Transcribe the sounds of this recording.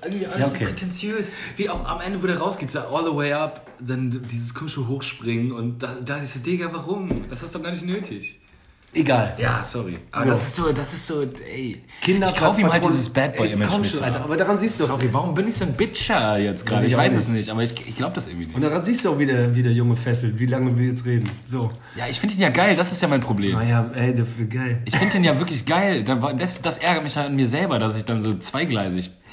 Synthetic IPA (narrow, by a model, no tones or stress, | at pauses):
ʔɪɐɡŋ̩tv̥iːʔaljaokʰeːʁetʰɛnt͡sjøːsviːaʊxa̰mʔɛndəvoːɾeːɐʁaʊsɡ̥eːtaʔɔːlðəweɪʔap | d̥and̥iːzəskʰɔmɪʃoɦoːxʃpʁ̥ɪŋənʊnt̚d̥ad̥adsadeɡaːlvaʁʊmd̥ashastudɔxɡ̥aɐnɪçtnøːtʰɪç | ʔeɡaːlja̰ːsɔʁḭʔabzodasɪstz̥oːd̥asɪstz̥oːɛ̰ɪkʰɪndɐ̥aʊfiːmhaldoːsəsb̥ɛt̚baɪʔiːkʰɔmʔaltɐʔaːbɐdaʁanziːstd̥uːsɔʁivaʁʊmbɪnɪçz̥oːnbɪt͡ʃɐjɛt͡stɡ̥ʁaːdəɪçvaɪsɛsnɪçtʔaːbɐɪçɪ̰çɡ̥laʊbəd̥asʔɪɐɡŋviːnɪʊnd̥aʁanziːstd̥uːaʊxv̥idɛːɐviːdɛːɐjʊŋəfɛsl̩tviːlaŋəviːɐjɛt͡stʁeːdn̩zoː | jaːɪçfɪndəd̥eːnjaːɡaɪldasɪstjaːmaɪnpʁ̥obleːmjaːɛɪdɛɡaɪlɪçfɪndəd̥eːnjaːvɪɐklɪçɡ̥aɪldavadɛsd̥asʔɛɐɡɐt̚mɪçjaanmiːɐzɛlbɐdas̬ɪçd̥anzoːt͡sv̥aɪɡlaɪz̬ɪç